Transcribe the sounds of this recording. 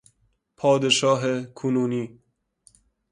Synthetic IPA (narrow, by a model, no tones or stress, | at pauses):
pʰɒːd̪eʃɒːɦekʰunuːniː